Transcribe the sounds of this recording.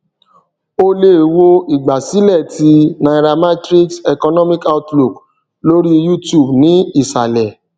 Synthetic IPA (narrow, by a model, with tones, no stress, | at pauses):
o˦le˦˨wo˦i˨ɡ͡ba˨si˨˦lɛ˦˨ti˧nã˨ɾa˧ma˦tɾi˦ksɛ˨kɔ˧nɔ˦mĩ˦ka˦ʊ˦tlu˨k | lo˦ɾi˦ju˦tju˦˨bnĩ˨˦i˦˨sa˨lɛ˨